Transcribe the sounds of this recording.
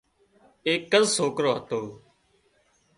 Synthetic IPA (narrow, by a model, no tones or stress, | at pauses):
eːkːəzsoːkɾoːɦət̪oː